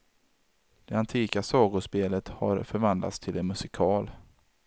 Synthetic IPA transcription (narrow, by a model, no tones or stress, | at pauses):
d̪̥ɛant̪ʰiːkasɑːɡʊʂpeːlət̪ha̰ɾfœɾvand̪la̰t̪st̪ʰɪlɛnmɵsɪkʰɑːl